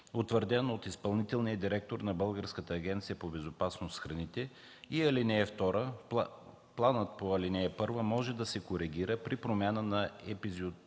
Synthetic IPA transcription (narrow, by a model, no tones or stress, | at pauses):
ot̪vəɾd̪ɛnoot̪ispɐlˠnit̪ɛlˠnijəd̪iɾɛk̚t̪oɾnɐbɤlˠɡəɾskət̪əːɡʲɛnt̪sijəpobɛzopasnosxɾɐnit̪ɛ | iɐlinɛːft̪ɔɾə | plˠanət̪̚poɐlinɛɛpɤɾvəmɔʒɛd̪ɐsɛkoɾɛɡʲiɾəpɾipɾomʲjanənɐɛpizot̪